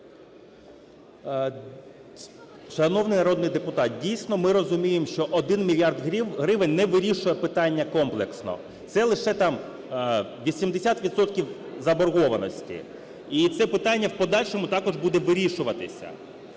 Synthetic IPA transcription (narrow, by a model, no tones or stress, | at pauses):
ʃɐnɔwnɪjnɐɾɔd̪nɪjd̪epʊt̪ɑt̪̚dʲijsʲnɔmɪɾɔzʊmʲijemʃt͡ʃɔʔɔd̪ɪnmʲilʲjɑrd̪ɦɦɾɪʋɪnʲnɛʋɪɾʲiʃʊjɛpɪt̪ɑnʲːɐkɔmplˠeksnɔ̰ | t̪sɛlˠɪʃɛt̪ɑm | ʋʲisʲimd̪esʲat̪ʋʲid̪sɔt̪kʲiwzɐbɔrɦɔʋɐnɔ̰sʲtʲḭ | it̪sɛpɪt̪ɑnʲːɐwpɔd̪ɑlʲʃɔmʊt̪ɑkɔʒbud̪ɛʋɪɾʲiʃʊʋɐt̪ɪsʲɐ̰